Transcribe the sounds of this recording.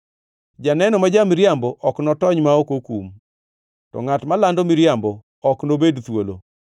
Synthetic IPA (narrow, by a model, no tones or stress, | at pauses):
d͡ʒanɛnɔmad͡ʒamɪɾjambɔʔɔknɔtɔɲmaokokum | tɔ̰ŋatmalandomɪɾjambɔ | ɔknobedt̪wolo̰